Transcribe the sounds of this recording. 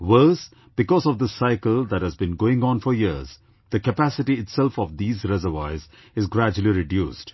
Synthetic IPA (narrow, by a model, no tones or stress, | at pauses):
wəːs | b̥ɪkɔzɔvd̪əsaɪkəlˠd̪æʈ̚hæzbĩnɡoːɪ̃ŋɔ̃nfɔɾjiəz | d̪̥əkəpæsɪʈiɪʈsɛlfɔʋd̪iːzɾɛzəʋaɪz | ɪzɡɾæd͡ʒəlˠiɾɪɖjṵːsd